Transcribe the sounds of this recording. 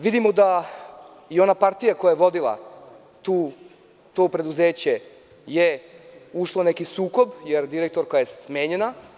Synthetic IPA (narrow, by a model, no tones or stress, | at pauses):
ʋid̪imo̞d̪a | io̞napaɾt̪ijakojajeʋo̞d̪ilˠa̰ | t̪u | t̪o̞ːpɾe̞d̪uzeːt͡ɕe | jeuʃlo̞nekisuːko̞bjeɾd̪iɾek̚t̪o̞ɾkojajessmeːɲena